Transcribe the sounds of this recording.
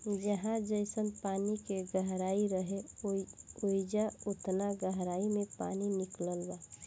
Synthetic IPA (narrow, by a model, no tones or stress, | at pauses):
d͡ʒəɦãd͡ʒəɪsənpaːnikeɡəɦɾaːiɾəɦe | oɪd͡ʒaʊt̪naɡəɦɾaːimẽpa̰ːninɪkləlba